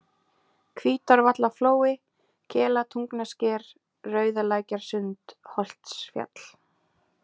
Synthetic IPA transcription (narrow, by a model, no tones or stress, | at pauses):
kʰviːt̪aɾvat̪lafloːwɪ | cʰɛːlat̪ʰuŋknascɛːɾ | rœːɥðalaːjcaɾ̥sʏnt̪hɔl̥t̪sfja̰t̪l̥